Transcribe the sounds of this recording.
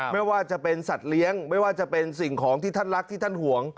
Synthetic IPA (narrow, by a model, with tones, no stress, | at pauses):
ma˥˩jwaː˥˩t͡ɕa˨˩pe˧nsa˨˩t̪̚li˦˥əŋma˥˩jwaː˥˩t͡ɕa˨˩pe˧nsi˨˩ŋkʰɔː˩˦ŋt̪ʰiː˥˩t̪ʰa˥˩nɾa˦˥k̚t̪ʰiː˥˩t̪ʰa˥˩nhu˩˦əŋ